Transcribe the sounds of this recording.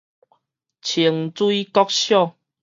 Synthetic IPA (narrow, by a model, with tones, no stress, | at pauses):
t͡ɕʰi˨˩əŋt͡swui˦kɔ˦k̚ɕjɔ˥˨ŋ